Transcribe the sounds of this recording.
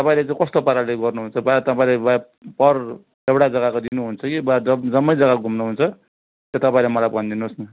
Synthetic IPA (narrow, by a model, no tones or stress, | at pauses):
t̪ʌpaĩlet͡saĩkʌst̪opaɾaleɡʌrnuɦunt͡sʰʌbat̪ʌpaĩleba | pʌr | ewɽad͡zʌɡakod̪inuɦunt͡sʰʌkibd͡zʌd͡zʌmːʌjd͡zʌɡaɡʱumnuɦunt͡sʰʌ | t̪jot̪ʌpaĩlemʌlajbʱʌnd̪inusnʌ